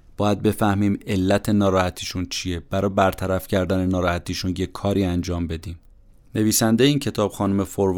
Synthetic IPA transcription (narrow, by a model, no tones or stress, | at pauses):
b̥ɒːjæd̪̚be̞fæhmiːme̞lːæt̪ʰe̞nɒːɾɒːhæt̪ʰiːʃunt͡ʃʰije̞b̥æɾɒːbæɾt̪ʰæɾæfcʰæɾd̪æne̞nɒːɾɒːhæt̪ʰiːʃuːnje̞ɒːɾiːænd͡ʒɒːmbe̞d̪iːm | ne̞viːsænd̪ejeiːncʰe̞t̪ʰɒːb̥xɒːnume̞foɾv